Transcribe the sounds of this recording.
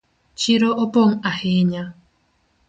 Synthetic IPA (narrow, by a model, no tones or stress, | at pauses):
t͡ʃiɾoʔopoŋ̩aheɲa